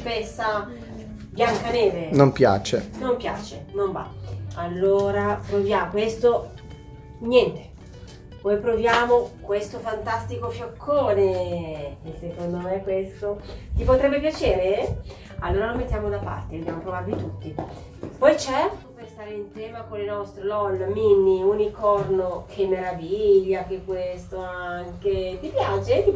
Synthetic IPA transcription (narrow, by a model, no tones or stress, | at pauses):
pɛsːa | bjaŋkaneːvenompja̰ːt͡ʃḛnompja̰ːt͡ʃenomba̰alːoːɾapɾovjakwest̪o | njɛnt̪e̥ | pɔjpɾovjaːmokwest̪ofant̪ast̪ikofjokʰːoːne | sːekond̪omekwest̪ot̪ipot̪ɾɛbːepjat͡ʃeːɾe | alːoːɾaɾomːet̪ːjaːmod̪apa̰rt̪ed̪objaːmopɾovarvit̪ut̪ːi | pɔjt͡ʃɛrt̪operst̪aːɾeinsɛːmakolenɔst̪ɾelɔlːminːiunikːɔrnokʰemːeɾaviʎːak̟ekːwest̪oaŋket̪ipjaːt͡ʃet̪ːi